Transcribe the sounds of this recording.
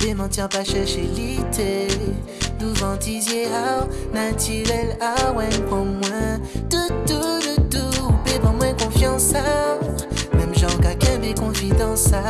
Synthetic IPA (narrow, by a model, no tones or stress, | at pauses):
d̪emɑ̃t̪jɛ̃paʃɛʁʃelit̪e | d̪uvɑ̃t̪izjea | nat̪yʁɛlawɛ̃kɔ̃mwɛ̃ | d̪̥ət̪ud̪ət̪uũpebɔ̃mwɛ̃kɔ̃fjɑ̃sa | mɛmʒɑ̃ɡakɛ̃bekɔ̃vid̪ɑ̃sa